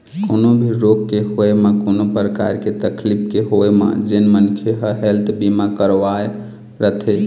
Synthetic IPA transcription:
konobʱiɾokkeɦoemekonopɾəka̰ɾket̪əklipʰkeɦoemḛd͡ʒenmənkʰeɦəɦelt̪ʰbimakəɾʋae | ɾət̪ʰe

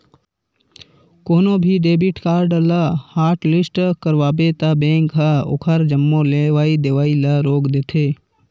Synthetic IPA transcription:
koːnõːbʱiɖeːbɪʈkaːɾɖlɐhaːɾʈlɪsʈkəɾʋaːbet̪ɐbẽːŋkɦəo̰kʰəɾd͡ʒəmːõleʋaːid̪eʋaːilɐɾoːkd̪eːt̪ʰeː

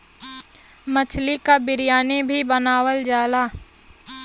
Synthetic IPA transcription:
mət͡ʃʰlikabɪɾijaːnebʱibənaːwəld͡ʒaːlaː

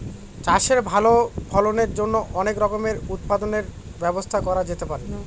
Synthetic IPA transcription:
t͡ɕaʃeɾbʱalobʰʱɔloneɾd͡ʑonːoʔɔnekɾɔkomeɾut̪̚pad̪oneɾ | bɛbost̪ʰakɔɾad͡ʑet̪epaɾe

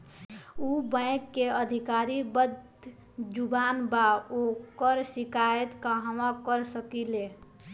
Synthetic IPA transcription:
ubə̃ɪ̃kːeəd̪ʱikaɾibəd̪ | d͡ʒubanbaokəɾsikajət̪kaɦəãkəɾsəkile

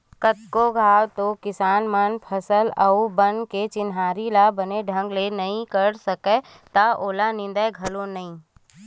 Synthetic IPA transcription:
kət̪̚koɡʱaːwt̪okɪsaːnmənpʰəsələubənket͡ʃɪnɦaːɾilabəneɖʱə̃ŋɡlenɐɦĩkəɾsəke | t̪aoːlanɪ̃nd̪aeɡʱɐlonɐɦĩː

